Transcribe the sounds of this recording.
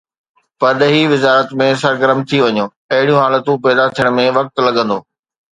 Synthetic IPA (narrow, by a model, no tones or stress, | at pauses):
pɐɗɦiʋɪzaːɾət̪mẽs̬ɐɾɡəɾəmt̪ʰiʋɐɲoː | ɐɦɪɽijũɦaːlət̪ũpɛːd̪at̪ʰijəɽ̃̆mẽʋɐk̚t̪lɐɡə̃nd̪oː